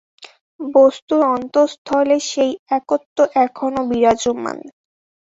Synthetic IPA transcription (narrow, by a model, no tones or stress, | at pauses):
bost̪uɾɔnt̪ost̪ʰɔleʃejɛkot̪ːoʔɛkʰonobiɾad͡ʑomːa̰n